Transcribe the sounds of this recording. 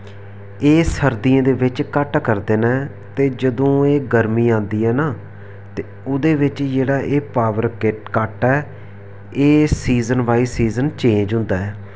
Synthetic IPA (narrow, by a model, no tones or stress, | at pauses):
eːsəɾd̪iẽːd̪eːʋɪt͡ʃkəʈkəɾd̪eːnɛː | t̪eːd͡ʒəd̪õːeːɡəɾmiːãːnd̪iːɛːnaː | t̪eːʊd̪eːʋɪt͡ʃd͡ʒeːɽaːʔeːpaːʋəɾkɪʈkəʈɛː | eːsiːzənʋaːiːsiːzənt͡ʃẽːɲd͡ʒɦʊ̃nd̪aːɛː